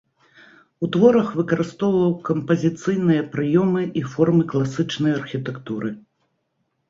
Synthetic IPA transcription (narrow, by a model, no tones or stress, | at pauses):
ut̪vɔɾɐxvɨkɐɾɨst̪ɔwvɐwkɐmpɐzʲit̪sɨjn̪ɨjɐpɾɨjɔmɨʔifɔrmɨklˠasɨt͡ʂnɐjɐrxʲit̪ɛkt̪uɾɨ